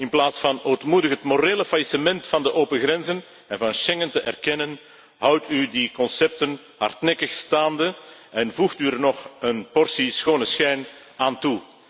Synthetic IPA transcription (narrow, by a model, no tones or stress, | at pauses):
ɪnplaːtsfɑnoːtmudəxɦətmoreːləfajisəmɛntfɑndəʔoːpənɣrɛnzən | ɛnvɑnʃɛŋəntəʔɛ̰rkɛnən | ɦʌwtydikɔnsɛp̚tən | ɦɑ̰rtnɛkəxstaːndəɛnvuxtyərnɔxənpɔrsisxoːnəsxɛjn | aːntu